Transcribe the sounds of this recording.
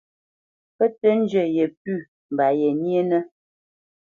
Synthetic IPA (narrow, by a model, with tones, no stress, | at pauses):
pə˦tə˦n̩˦d͡ʒə˨je˨p̚ʉ˦˨ | m̩˨ba˨jɛ˨nje˦nə˦